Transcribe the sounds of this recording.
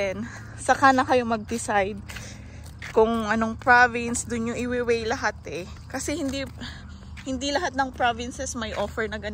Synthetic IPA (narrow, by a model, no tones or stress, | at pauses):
ɛn | sɐkaːnɐkɐjo̞mɐɡ̚d̪ɪsajd̪̚ | kʊŋʔɐno̞ŋpɹavɪnsd̪ʊnɲoʔɪwɪwɛjlɐɦat̪ɛ | kɐsɛhɪnd̪i | hɪnd̪ilɐɦat̪̚nɐŋpɹavɪnsɛsmɐjʔoːfɛɹnɐɡɐn